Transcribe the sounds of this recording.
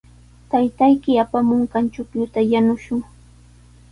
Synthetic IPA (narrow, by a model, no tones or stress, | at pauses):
t̪ajt̪ajkɪapamʊŋkɑnt͡ʃʊkjʊt̪ajanʊʃʊŋ